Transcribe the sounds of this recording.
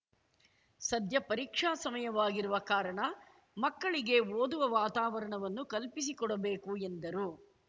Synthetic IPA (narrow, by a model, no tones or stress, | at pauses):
sɐd̪ʱjɐpɐɾikʂaːsɐmɐjɐʋaːɡiɾuʋɐkaːɾɐɳɐ | mɐkːɐɭiɡe̞oːd̪uʋɐʋaːt̪aːʋɐɾɐɳɐʋɐnːukɐlpis̬ikɔɽɐbeːkuend̪ɐɾu